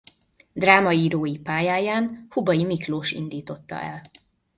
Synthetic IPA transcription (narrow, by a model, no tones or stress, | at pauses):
d̪raːmɒiːɾoːjipaːjaːjaːnhubɒjimikloːʃḭnd̪iːt̪o̞t̪ːɒ̰ʔɛ̰l